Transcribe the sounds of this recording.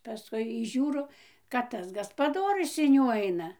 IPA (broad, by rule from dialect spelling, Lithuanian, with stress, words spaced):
pɐˈskʊɪ iː ˈʒʲuːroː kɐt ˈtɐs ɡɐspɐˈdoːrʲʊs ɪn ˈjuː ˈɐɪnɐ